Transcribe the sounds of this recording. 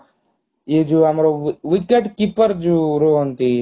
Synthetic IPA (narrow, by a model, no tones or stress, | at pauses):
jed͡ʒoːɦamɾoʋɪkeʈkipəɾd͡ʒoːɾoɦont̪i